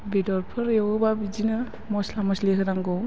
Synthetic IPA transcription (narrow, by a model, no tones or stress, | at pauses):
bidɔɾpʰɯɾewɯbabid͡ʒinɯ | mɔslamɔsliɦɯɾaŋɡɔw